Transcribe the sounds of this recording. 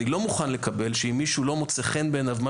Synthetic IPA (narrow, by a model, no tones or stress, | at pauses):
ilo̞muχanle̞kabe̞lʃeimːiʃulo̞mot͡seχenbenavma